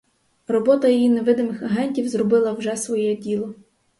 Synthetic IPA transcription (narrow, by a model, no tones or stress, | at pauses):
rɔbɔt̪ɐjijineʋɪd̪ɪmɪxɐɦɛnʲtʲiwzɾɔbɪlˠɐwʒɛsʋɔjɛdʲilˠɔ